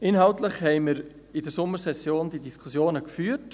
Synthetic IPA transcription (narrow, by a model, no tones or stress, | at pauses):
ʔɪnɦɑʊtləχhɛɪməɾ | ɪdəɾsʊmːəɾsɛsjoːndidiskʰusjoːnəkfyːt